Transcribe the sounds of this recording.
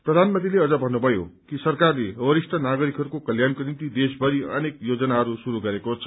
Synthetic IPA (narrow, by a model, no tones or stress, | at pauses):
prʌd̪ʱanmʌ̃nt̪ileʌd͡zʌbʱʌnːubʱʌjokisʌrkarleʌwʌɾisʈʰʌnaɡʌɾikɦʌɾukokʌljankonint̪id̪es̬bʱʌɾiʌ̰nekjod͡zʌnaɦʌɾusuɾuɡʌɾekot͡sʰʌ̥